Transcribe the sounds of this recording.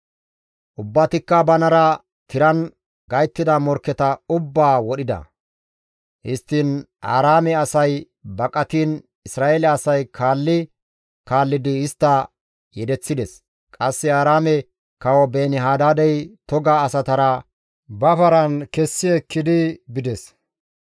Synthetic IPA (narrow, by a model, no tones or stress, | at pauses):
ʔʊbːɐt̪ɪkːɐbɐnɐɾɐ | t̪ɪɾɐn | ɡɐjt̪ːɪd̪ɐmɔɾkːɛt̪ɐʊbːaːwɔɗɪd̪ɐ̰ | hɪst̪ːɪn | a̰ːɾaːmɛɐsɐj | bɐkʼɐt̪iːn | ɪsɾaːeːlɛɐsɐjkʰaːlːɪ | kaːlːɪd̪ɪːst̪ːɐ | jɛd̪ɛt͡sːɪd̪ɛs | kʼɐsːɪaːɾaːmɛ | kɐwɔbeːnɪɦaːd̪aːd̪ɛjt̪ɔɡaːsɐt̪ɐɾɐ | bɐpɐɾɐnkɛsːɪɛkːɪd̪ɪbɪd̪ɛs